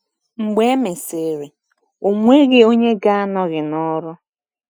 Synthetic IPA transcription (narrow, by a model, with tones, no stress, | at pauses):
ŋ͡m̩˨ɡ͡be˦me˨se˨ɾe˨ | o˨ŋʷe˦ɡɪ˦o˦ɲe˦ɡa˦a˦nɔ˦ɣɪ˨nɔ˦ɾʊ˦